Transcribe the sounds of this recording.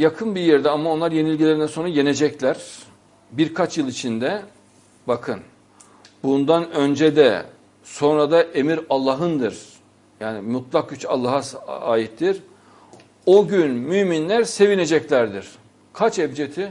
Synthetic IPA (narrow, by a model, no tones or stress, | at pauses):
jakʰɯnbijɛɾd̪ɛamao̞nlˠaɾje̞nilʲɟilʲeɾinɛnso̞nɾuje̞ne̞d͡ʒɛclʲæɾ̥ | biɾkʰat͡ʃjɯlˠit͡ʃʰind̪ɛ | bakʰɯn | bund̪anø̞nd͡ʒed̪ɛ̰ | so̞nɾad̪aʔe̞miɾalˠːaɦɯnd̪ɯɾ̥ | jaːnimut̪lˠak̚ɟyt͡ʃa̰lˠːaɦaa̰ːjit̪ːiɾ | oɟynmyːminlʲæɾse̞vine̞d͡ʒɛclʲæɾd̪iɾ̥ | kʰat͡ʃɛvd͡ʒet̪ʰi